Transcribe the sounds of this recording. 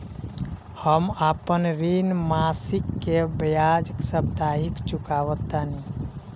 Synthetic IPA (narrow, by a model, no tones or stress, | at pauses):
həmapənɾinmasikːebəjad͡ʒəksəb̚d̪ʱaɦikt͡ʃukawət̪ːani